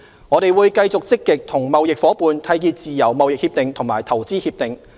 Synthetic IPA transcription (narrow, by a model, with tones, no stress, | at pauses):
ŋɔː˨˧t̪e˨jwuː˨˧jkɐ˧jt͡sʊ˨k̚t͡sɪ˥kːɪ˨k̚t̪ʰʊ˨˩ŋmɐ˨wjɪ˨k̚fɔː˨˥puː˨˧nt̪ʰɐ˨˥jkiː˧t͡siː˨jɐ˨˩wmɐ˨wjɪ˨k̚hiː˧p̚t̪ɪ˨ŋt̪ʰʊ˨˩ŋmaː˨˩jt̪ʰɐ˨˩wt͡siː˥hiː˧p̚t̪ɪ˨ŋ